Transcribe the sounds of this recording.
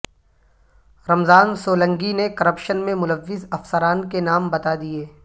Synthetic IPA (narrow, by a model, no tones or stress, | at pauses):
ɾɐmzaːnsoːlə̃ŋɡinekɐɾəpʃənmẽmʊləʋːɪzɐfsəɾaːnkenaːmbɐt̪ad̪ieː